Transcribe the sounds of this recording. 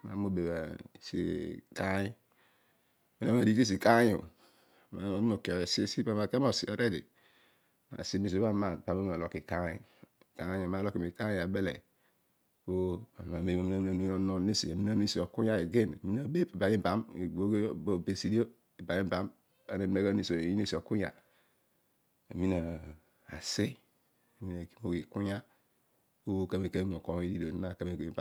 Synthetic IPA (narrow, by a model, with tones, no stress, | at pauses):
ma̰˨˦mo˦be˨ba˨sḭ˨ka˦i˦˨ | mi˦na˦ma˨di˦ki˦s̬i˨ka˦jṵ˨ | ma˨˦˨o˨ki˨si˦si˦ba˦ma˨ke˦mo˨si˨a˨ɾe˦dḭ˨ | ma̰˨si˦mi˨s̬i˨˦a˦ma˨pa˨ma˦˨a˨lo˨ki˨ka˦i˦˨ka˦jo˨ma˨˦lo˦ki˨mi˨ka˦˨a˨be˦lḛ˨ | o˦a˨a˨me˦a˨mi˦na˨m˦a˨nu˦o˦no˦˨ne˦sḭ˨a˨mi˦na˦ni˦si˨o˨ku˦ja˦e˨ɡe˦na̰˨mi˦na˨be˦pi˨ba˨˦i˦˨ba˨˦m˨o˦ɡbo˨be˨si˨di˦o˦ | e˨ba˨ɲi˦ba˦m | ba˨ne˨˦e˦ɡa˦ni˨so˨i˦ne˦si˨o˨ku˦ja̰˨ | a˨mi˦na˨ | a̰˨si˦ | a˨mi˦a˨ki˨˦mo˨ɡi˨ku˦ɲa˦ | o˦ka˦me˨ke˦ŋʷo˨ko˨˦i˦di˦do˨˦a˦˨ka˦me˨ke˨ba˦